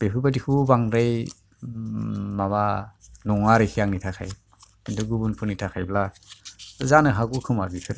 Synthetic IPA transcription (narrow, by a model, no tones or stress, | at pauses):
b̥epʰɯbadikʰubaŋɾaj | maβanɔŋaɾejkʰiaŋnitʰakʰa̰j | induɡubunpʰunitʰakʰajbla | zanɯɦaɡukʰɯmabikʰɯɾ